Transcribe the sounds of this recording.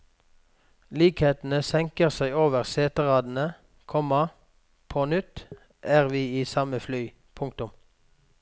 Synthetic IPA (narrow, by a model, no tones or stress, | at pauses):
liːkheːt̪n̩əsɛŋkəʁsæɪoːʋəʁseːt̪əʁɑːd̪n̩ə | kʰɔmɑ | pʰoːnʏt̪ | ʔæːʁʋiːiːsɑməflyː | pʰʊŋk̚t̪ʊm